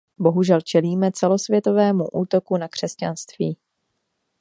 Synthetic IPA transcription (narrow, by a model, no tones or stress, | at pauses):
bo̞ɦuʒɛlt͡ʃɛliːmɛt͡sɛlo̞svjɛt̪o̞vɛːmuʔuːt̪o̞kunakr̥ɛsca̰nst̪viː